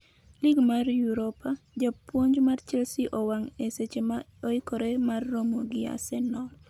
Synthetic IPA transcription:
liɡmarjuɾopʰa | d͡ʒapwoɲd͡ʒmart͡ʃɛlsiʔɔwaŋeset͡ʃema | oɪkoɾemarːomoɡɪa̰sɛnɔl

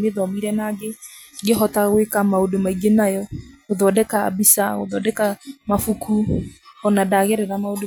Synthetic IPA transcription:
meðɔmiɾɛnaɡeɡeɦɔtaɣwekamaodomaiɡenajɔɣoðɔdɛka̰ːbisaɣo̰ðɔdɛkamafukʰuɔnadaɣɛɾɛɾamaod

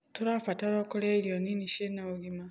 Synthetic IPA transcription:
toɾafataɾokoleɾjoniniʃenaoɣima

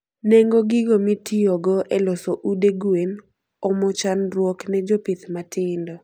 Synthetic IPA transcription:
nɛŋɡoɡɪɡomɪtioɡɔʔɛlɔsoʔudeɡuen | ɔmɔt͡ʃanrwɔknɛd͡ʒɔpɪt̪matɪndɔ

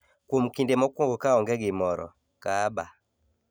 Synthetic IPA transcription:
kwomkindemɔkwɔŋɡokaɔŋɡɛɡɪmɔɾɔ̰ | kaba

